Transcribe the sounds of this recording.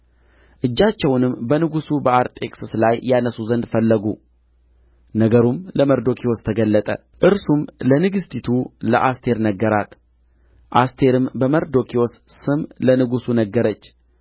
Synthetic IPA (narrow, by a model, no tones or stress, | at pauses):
ʔɨd͡ʒːat͡ʃːɛwnɨmbənɨɡusubəaɾt̪ʼekʼsɨslajːanəsuzənd̪fəlːəɡu | nəɡəɾumləməɾd̪o̞kʰio̞st̪ʰəɡəlːət̪ʼə̰ | ʔɨɾsumlənɨɡɨst̪ʰit̪ʰulə̰ʔast̪ʰe̞ɾnəɡːəɾat̪ | ʔast̪ʰe̞ɾɨmbəməɾd̪o̞kʰios | sɨmlənɨɡusunəɡːəɾət͡ʃː